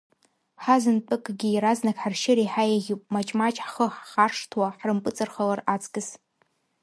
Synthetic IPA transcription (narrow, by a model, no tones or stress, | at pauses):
ħazɨntʼɨkʼɡʲiiɾaznakʲħarʃɪɾiħajaʁʲupʼmat͡ʃʼmat͡ʃʼħχəħːarʂtʰwaħrɨmpʼɨt͡sʼɨrχalarat͡sʰʼkʼɨz